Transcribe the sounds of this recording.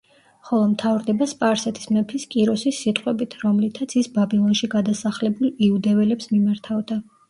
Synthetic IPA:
χɔlˠɔmt̪ʰavɾd̪ɛbaspʼaɾsɛt̪ʰi̥smɛpʰiskʼiɾɔsisːit̪ʼqʼwɛbit̪ʰɾɔmlit̪ʰat̪sʰisbabilˠɔnʃiɡad̪asaχlɛbulˠiud̪ɛvɛlɛpsmimaɾt̪ʰavd̪a

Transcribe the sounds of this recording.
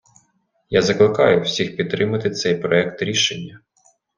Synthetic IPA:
jazɐklˠɪkɑjʊwsʲixpʲid̪̚t̪ːɾɪmɐt̪ɪt̪sɛjpɾɔɛkt̪ɾʲiʃenʲːɐ

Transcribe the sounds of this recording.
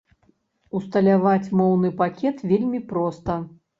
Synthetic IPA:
ust̪ɐlʲavat͡sʲmɔwn̪ɨpakʲɛt̪vʲelʲmʲipɾɔst̪ɐ

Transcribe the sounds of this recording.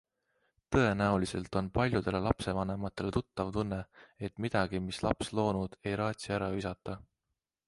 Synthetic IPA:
t̪ɤ̞e̞næulise̞̰lt̪ˑo̞npɑlʲjud̪̥e̞le̞lɑpse̞vɑne̞mɑt̪ːˑe̞le̞t̪ut̪ˑːɑvt̪unːe̞e̞t̪mid̪̥ɑɡ̥imislɑpslo̞ːnud̪̥e̞jɾɑːt̪ʲsiæɾɑysɑt̪ːˑɑ

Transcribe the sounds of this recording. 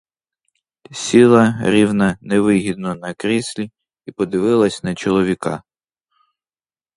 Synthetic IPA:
sʲilˠɐɾʲiwnɐnɛʋɪɦʲid̪nɔnɐkɾʲisʲlʲi | ipɔd̪ɪʋɪlˠɐsʲnɐt͡ʃɔlˠɔʋʲikɑ̰

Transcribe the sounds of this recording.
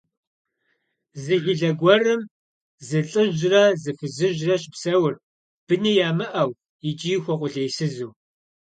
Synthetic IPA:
zɨɣɪɮɐɡʷɔrɨm | zɨɬʼɨʒrɐzɨfɨzɨʒrɐɕɪpsɐwʊr | b̥ɨnijaːmɨʔɐw | ɪt͡ʃʼiːxʷɔqʷʼʊɮejsɨzuː

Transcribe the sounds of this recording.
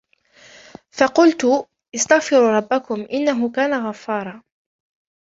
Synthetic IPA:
fɑqʊlt̪ʊ | ʔɪst̪aɣfɪɾuːɾˤɑbːakʊmʔɪnːaɦʊkaːnaɣafːɑːɾˤɑː

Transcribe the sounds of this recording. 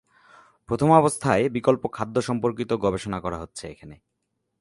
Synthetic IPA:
pɾot̪ʰomɔbost̪ʰaebikolpokʰːad̪ʱːoʃɔmpoɾkit̪oɡɔbeʃonakɔɾaɦotːɕʰeḛkʰane

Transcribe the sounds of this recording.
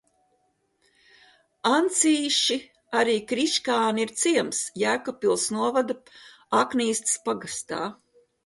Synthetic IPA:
ant̪siːʃi | aɾiːkɾiʃkaːniiɾt̪siɛmsjæːkɔpilˠsnuɔvad̪a | akniːst̪spaɡast̪a̰ː

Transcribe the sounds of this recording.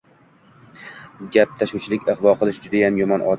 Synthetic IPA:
ɡʲap̚t̪ʰaʃʊt͡ʃʰɪlɪkʲɨʁvɒqʰɨlˠɪʃd͡ʒʊd̪ajamjɒmɒnʔɒ̰d̪

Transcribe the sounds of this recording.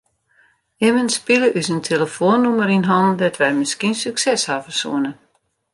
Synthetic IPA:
ɪmənspiləʔysəntʰeləfoənːuməɾinɦɔndɛtʋɛjmɪskinsyksɛshafərsṵənə

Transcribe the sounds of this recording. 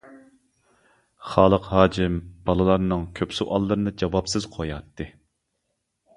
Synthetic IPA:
χɑːlˠəqhɑːd͡ʒɪmb̥ɑlˠɨlˠɑɾnɨŋkʲʰøpsuʔɑlˠːɨɾɨnɨd͡ʒɑwɑpsɨz̥qʰojɑt̪ːɨ

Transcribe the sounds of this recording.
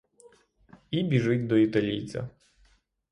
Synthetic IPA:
ibʲiʐɪtʲd̪ɔit̪ɐlʲḭjt͡sʲɐ̰

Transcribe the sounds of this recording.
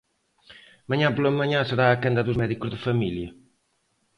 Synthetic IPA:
mɐɲãpolɐmɐɲãsəɾaːkẽnd̪ɐðuzmɛðikuzðɨfɐmiljɐ

